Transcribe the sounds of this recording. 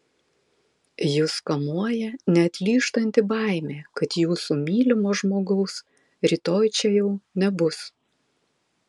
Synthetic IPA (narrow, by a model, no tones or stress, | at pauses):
jʊskɐmuɔjɛnʲɛɐt̪ʲlʲiːʃt̪ɐnʲt̪ʲɪbɑˑɪmʲeːkɐt̪juːsuːmʲiːlʲɪmoːʒmoːɡɐʊs | ɾʲiːt̪oːjt͡ʃʲɛjɛʊnʲɛbʊs